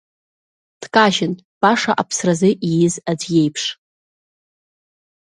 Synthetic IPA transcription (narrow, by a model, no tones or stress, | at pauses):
d̥kʼaʒɪn | b̥aʂaʔapʰsrazɨʔijɪzad͡zje̞jpʰʂ